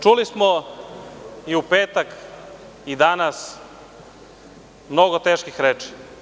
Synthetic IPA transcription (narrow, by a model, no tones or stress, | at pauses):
t͡ʃulismo | iupeːt̪ak | id̪anas | mnoɡot̪eːʃkixɾeːt͡ʂi̥